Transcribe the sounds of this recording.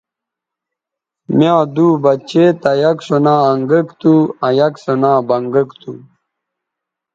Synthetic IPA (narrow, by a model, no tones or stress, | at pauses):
mjãːd̪uːbɐt͡ɕeːt̪ɐjɐksonaːɐŋɡəkt̪uɐjɐksonãːbɐŋɡəkt̪u